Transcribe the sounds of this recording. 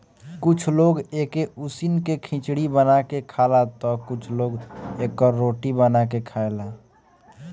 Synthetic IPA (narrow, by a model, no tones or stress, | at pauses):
kʊt͡ʃʰloːɡeːkeʊsinkekʰɪ̃t͡ʃɽibənakekʰaːlat̪ɔkʊt͡ʃʰloːɡeːkːɔɾoːʈibənak̬ekʰaːelaː